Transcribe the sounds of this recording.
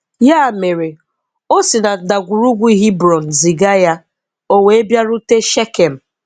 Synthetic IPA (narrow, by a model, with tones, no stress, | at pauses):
ja˦˨me˨ɾe˨ | o˦sɪ˨na˨da˨ɡʷu˨ɾu˦ɡʷu˦i˦ɦi˦bɾɔ˨n̩˨zi˨ɡa˦ja˦ | o˦we˨e˦bja˦ɾʊ˦te˦ʃe˦ke˨m̩˨